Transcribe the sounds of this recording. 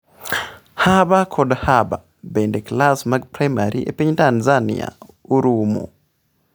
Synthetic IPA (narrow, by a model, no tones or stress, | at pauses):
habakʰɔdhaba | bendeklasmaɡ̚pɾajmaɾiʔḛpiɲtanzanḭa̰uɾumṵ